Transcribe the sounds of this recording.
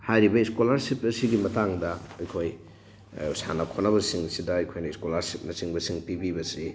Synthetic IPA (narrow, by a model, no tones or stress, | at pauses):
hajɾibɐiskolaɾsipɐsiɡimɐtaŋdɐɐjkʰoj | sa̰nɐkʰonɐβɐsiŋɐsidɐːjkʰojnɐiskolaɾsip̚nɐsiŋbɐsiŋpibibɐsi